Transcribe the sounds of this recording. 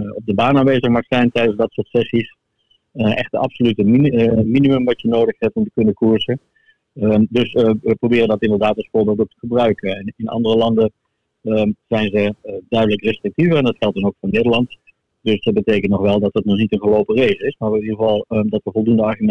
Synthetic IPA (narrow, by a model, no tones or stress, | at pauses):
ɔp̚dəbaːnaːnʋeːzəχmaχsɛjntɛjdənzdɑtsʊːɹtsɛsis | ʔɛxtəɑ̰psolytəminiməmʋɑtjənoːdəχhɛp̚tɔmtə̥kɵnəkuɹsə | dɵsəprowbɪːrəndɑtɪndərdaːtɑlˠsfʊːɹbɪːlˠtok̚tə̥χəbrœɥkəɛnɪnɑ̰ndərəlɑndə | zɛjnzədœɥdələkrɛstrɪk̚tivəɹɛndɑtxɛlˠtdɑnowkfʊːɹneːdəɹlɑnt | dɵsdɑd̚bəteːkəntnɔχʋɛlˠdɑtɦətnɔχnitənχəlowpərejzəɪsmaɹnidəɣəvɑlˠdɑtʋəvɔlˠdundəɑɹχymɛ